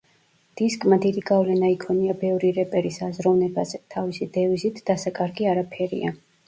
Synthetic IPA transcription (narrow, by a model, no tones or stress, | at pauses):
d̪̥iskʼmad̪id̪iɡavlɛnaikʰɔniabɛvɾiɾɛpʼɛɾisazɾɔvnɛbazɛt̪ʰavisid̪ɛvizit̪ʰd̪̥asakʼaɾɡiaɾapʰɛɾḭa